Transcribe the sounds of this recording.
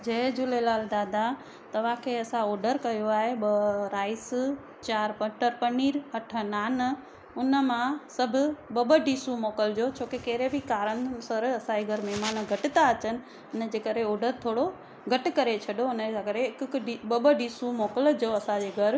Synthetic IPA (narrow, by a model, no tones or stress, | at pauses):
d͡ʑɐɦd͡ʑʊlelaːld̪aːd̪a | t̪ɐʋ̤ãkʰeɐsãoːɖəɾkɐjoaːɦeɓəɾaːɪs | t͡ɕaːɾpəʈəɾpɐɳiːɾɦɐʈʰənaːn | ʊnəmãsɐbʱʊɓəɓəɖiːsumoːkəld͡ʑot͡ɕʰoːkekeːɾebʱikaːɾənsɐɾɐsãd͡ʑeɡʱɐɾmɛmaːnɡʱɐʈt̪aɐt͡ɕənɪ̆ | ɐnəd͡ʑeːkəɾeɔːɖəɾt̪ʰoːɽo | ɡʱɐʈkɐɾet͡ɕʰɐɗoʊnəakəɾeɪkkɖiɓəɓəɖiːsumoːkəld͡ʑoɐsãd͡ʑeɡʱɐɾ